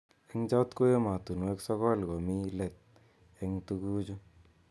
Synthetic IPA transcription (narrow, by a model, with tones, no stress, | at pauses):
e˦ŋt͡ʃa˦t̪ko˦je˦ma˨t̪u˨nu˨˦ɛ˦ksɔ˦kɔ˦lkɔ˨mi˦lɛ˨t̪̚ | ɛ˧ŋtu˧ku˦t͡ʃu˦